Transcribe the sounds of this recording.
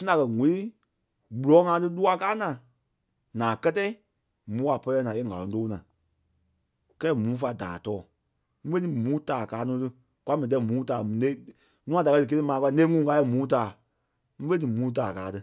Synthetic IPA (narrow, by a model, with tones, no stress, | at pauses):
si˦nã˨kɜ˧ŋũ˨li˦ | ɡ͡bu˨lɔː˨˦ŋãː˧˦tɨ˦lu˦a˧kaː˦nãː˨ | nãː˨kɜ˦tɛː˦i˦ | mũː˨˦a˨pɜ˧lɛː˧nãː˨e˦ŋa˨lɔ̃˨˦toː˦nãː˨ | kɛː˦mũː˨˦fa˧˨da̰ː˨tɔː˨˦˨ | ŋ̩̃˦fe˦nĩ˦mũː˨˦taː˨kaː˨˦nũː˨˦tɨ˧ | kʷa˦mɛ̃˨t̬ɛ˧˦˨mũː˨˦taː˨m˨ne˦ | nũ˦ã˨da˨kɜ˧dɨ˨˧k̬e˧te˧˦mãː˨˧ka˧˦˧ne˦ŋũː˦˨ka˧˦ɛ˧˨mũː˨˦t̬aː˨ | ŋ̩˦fe˦dɨ˨mũː˨˦t̬aː˨kaː˨˦tɨ˧˦